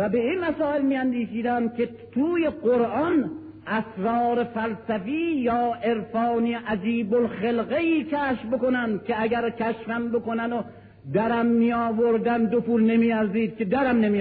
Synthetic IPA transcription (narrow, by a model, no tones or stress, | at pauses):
væbe̞inmæsɒːelmiːænd̪iːʃiːd̪ænd̪̚kʲʰe | t̪ʰuːjeɢoɾʔɒn | ʔæsɾɒːɾefælsæfiːjɒːʔe̞ɾfɒːniʔæd͡ʒiːbolxelɣeiːkʰæːʃfbokonænd̪̚kʲʰeæɟæɾcʰæʃfæmbo̞konæno | d̪æɾæmːijɒːvoɾd̪ænd̪opuːlne̞miːæɾziːd̪̥̚kʲed̪æɾæmnemi